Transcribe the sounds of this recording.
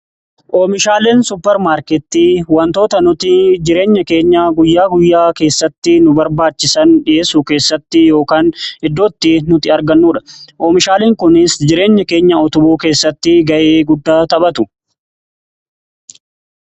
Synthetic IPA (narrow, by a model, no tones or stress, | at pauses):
ʔoːmɪʃaːleːnsʊpːɛɾmaːɾkɛt̪ːiːwɐnt̪o̞ːt̪ɐnʊt̪ɪd͡ʒɪɾeːɲːɐke̞ːɲːaːɡʊjːaːɡʊjːaːke̞ːsːɐt̪ːɪnʊbɐɾbaːt͡ʃːɪsɐnᶑɪʔeːsuːke̞ːsːɐt̪ːɪjo̞ːkaːnɪd̪ːo̞ːt̪ːɪnʊt̪ɪɐɾɡɐnːuːᶑɐ̥ʔoːmɪʃaːleːŋkʊnɪsd͡ʒɪɾe̞ːɲːɐke̞ːɲːɐɔt̪ʊbuːke̞ːsːɐt̪ːɪɡɐʔeːɡʊd̪ːaːt̪ɐbɐt̪ʊ